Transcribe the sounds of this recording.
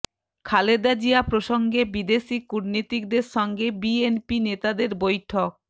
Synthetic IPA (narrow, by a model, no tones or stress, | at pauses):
kʰaled̪ad͡ʑiapɾoʃoŋɡebid̪eʃikuɾnit̪ik̚d̪eɾʃɔŋɡebienpinet̪ad̪eɾbojʈʰok̚